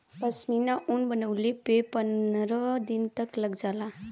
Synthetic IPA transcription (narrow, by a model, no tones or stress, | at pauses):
pəsminaʔuɳbənəʋlipepənɾəd̪int̪əkləɡd͡zala